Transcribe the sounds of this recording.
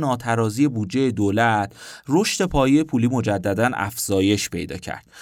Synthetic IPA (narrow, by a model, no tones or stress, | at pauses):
nɒːt̪ʰæɾɒːziːje̞buːd̪̚d͡ʒe̞jed̪oːlæt̪ʰro̞ʃt̪e̞pʰɒːjejepʰuːliːmo̞d͡ʒæd̪ːæd̪ænæ̰fz̥ɒːje̞ʃpʰe̞̰jd̪ɒ̰ːcʰæ̰ɾd̪̥